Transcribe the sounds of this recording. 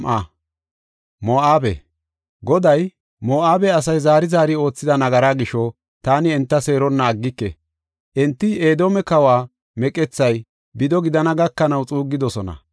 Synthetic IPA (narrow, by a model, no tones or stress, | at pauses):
mʔa | moːʔaːbɛ̰ | ɡɔd̪ɐj | moːʔaːbɛɐs̬ɐjzaːɾɪzaːɾɪo̞ːt͡sːɪd̪ɐnɐɡɐɾaːɡɪʃɔ | t̪aːnɪɛnt̪ːɐse̞ːɾɔnːɐːɡːɪkːɛ̰ | ʔɛnt̪ːɪeːd̪o̞ːmɛkɐwaː | mɛkʼɛt͡sːɐj | bɪd̪ɔɡɪd̪ɐnɐɡɐkːɐnɐwt͡sʼuːɡːɪd̪ɔsɔnɐ̰